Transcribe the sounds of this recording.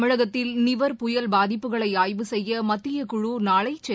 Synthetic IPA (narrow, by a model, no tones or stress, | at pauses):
mɪɻɐɣɐt̪ːɪlnɪʋɐɾpʊjɐlbaːðɪpːɯɣɐɭɐɪaːjʋɯsɛjːɐmɐt̪ːɪjɐkʊɻunaːɭɐɪt͡ʃːɛ